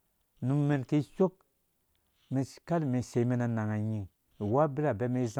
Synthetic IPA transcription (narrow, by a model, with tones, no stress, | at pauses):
nu˨mːe˨nki˦so˦k̚ | mi˨ka˦lmi˨se˨˦me˦na˨na˨ŋa˨ɲi˨ŋ | i˨wa˦bi˦ɾa˨be˦me˦za˦